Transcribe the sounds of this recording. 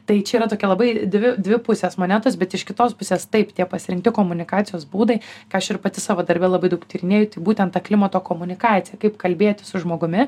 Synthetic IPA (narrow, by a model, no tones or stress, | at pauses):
t̪ɐɪt͡ʃʲɛiːɾɐt̪oːkʲɛlˠɐbɐɪd̪ʲʋʲɪd̪ʲʋʲɪpʊsʲeːsmoːnʲæt̪osʲbʲɛt̪ɪʃkʲɪt̪oːspʊsʲeːst̪ɐɪpt̪ʲiɛpɐsʲɪɾʲɪŋk̚t̪ʲɪkoːmʊnʲɪkɑːtt͡ssʲɪjoːsbuːd̪ɐɪkɐɪɐʃɪrpɐt̪ʲɪsɑːʋoːd̪ɐɾʲbʲɛlˠɐbɐɪd̪ɐʊkt̪ʲiːɾʲɪnʲeːjʊt̪ɐɪbuːt̪ʲɛnt̪ɑklʲɪmɐt̪oːkoːmʊnʲɪkɑːt͡s̪ʲɪjɛkɐɪpkɐlʲbʲeːt̪ʲɪsʊʒmoːɡʊmʲɪ